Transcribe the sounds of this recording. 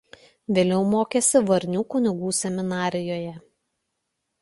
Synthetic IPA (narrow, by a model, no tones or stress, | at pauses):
ʋʲeːlʲɛʊmoːkʲeːsʲɪʋɐɾʲnʲuːkʊnʲɪɡuːsʲɛmʲɪnɑːɾʲɪjoːjɛ